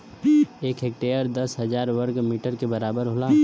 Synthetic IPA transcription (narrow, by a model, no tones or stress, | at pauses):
eːkek̚ʈeːjəɾd̪ɐsɦɐzaːɾʋəɾɡmiːʈəɾkebɐɾaːbəɾɦolaː